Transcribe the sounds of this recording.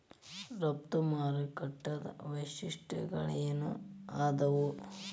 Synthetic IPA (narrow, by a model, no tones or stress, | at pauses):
ɾɐp̚t̪umaːɾɐkɐʈːɐd̪ɐ̰ʋɐʃiʂʈʰɐ̰ɡɐɭijɐnṵaːd̪ɐʋu